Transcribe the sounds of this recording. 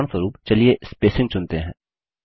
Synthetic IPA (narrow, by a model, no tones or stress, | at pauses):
ɳ̃səɾuːpt͡ʃɐliespeːsɪ̃ŋɡt͡ʃʊnt̪eɦɛ̃ː